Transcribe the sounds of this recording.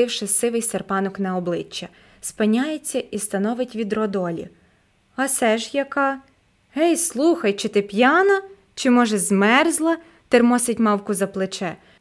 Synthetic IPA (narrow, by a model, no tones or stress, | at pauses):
ɪwʃɪsɪʋɪjserpɑnɔknɐɔblˠɪt͡ʃːɐ | spɪnʲːajet͡sʲːɐʔist̪ɐnɔʋɪtʲʋʲid̪rɔd̪ɔlʲḭ | ɐsɛʒjɐkɑ | ɦɛjslˠuxɐjt͡ʃɪt̪ɪpjɑnɐ | t͡ʃɪmɔʒɛzmɛrzlˠɐ | t̪ermɔsɪtʲmɑwkʊzɐplˠɪt͡ʃɛ